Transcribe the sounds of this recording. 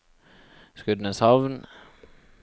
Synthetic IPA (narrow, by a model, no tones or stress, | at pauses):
skʉd̪nəshɑʋn